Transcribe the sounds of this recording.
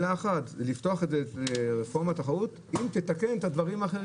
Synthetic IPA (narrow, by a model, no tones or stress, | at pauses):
laːχat̪lift̪o̞aχedzeteʁefo̞ʁmat̪aχaut̪ | imt̪et̪ake̞nt̪ad̪vaʁimaːχeʁ